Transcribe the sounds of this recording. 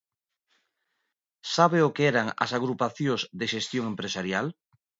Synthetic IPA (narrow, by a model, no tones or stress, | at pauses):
saβeokeɛɾaŋa̰saɣɾupaθjõzðeʃest̪joŋempɾesaɾjal